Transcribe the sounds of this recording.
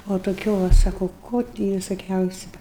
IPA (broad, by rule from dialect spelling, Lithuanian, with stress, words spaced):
oː toːˈkʲuː ʋɐ ˈsɑːkoː ˈkoː tʲɪ ʋʲɪsoːˈkʲɛʊsʲʊ